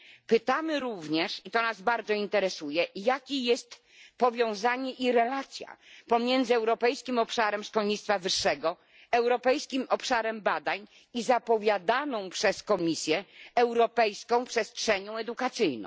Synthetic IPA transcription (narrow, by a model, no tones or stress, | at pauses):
pɘt̪amɘɾuvɲɛʂit̪ɔnazbaɾd̪zɔint̪ɛɾɛsujɛjakʲijɛst̪ | pɔvʲjɔ̃w̃zaɲɛʔiɾɛlat̪sʲja̰pɔmʲjɛnd̪zɘɛwɾɔpɛjskʲimɔpʂaɾɛmʂkɔlɲit̪st̪favɘʂːɛɡɔ | ɛwɾɔpɛjskʲimɔpʂaɾɛmbad̪aɲ | izapɔvʲjad̪anɔ̃w̃pʂɛskɔmʲisʲjɛɛwɾɔpɛjskɔ̃w̃pʂɛstʂɛɲɔ̃w̃ɛd̪ukat̪sɘjnɔ̰̃w̃